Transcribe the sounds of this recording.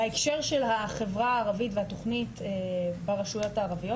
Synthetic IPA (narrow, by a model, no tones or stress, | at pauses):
aekʃe̞ʁʃe̞lhaχe̞vʁaːʁavitvehato̞χnitebaʁaʃujo̞taːʁavijo